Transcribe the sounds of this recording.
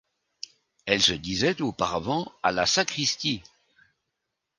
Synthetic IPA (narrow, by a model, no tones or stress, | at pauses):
ɛlsəd̪izɛt̪opaʁavɑ̃a̰lasakχist̪i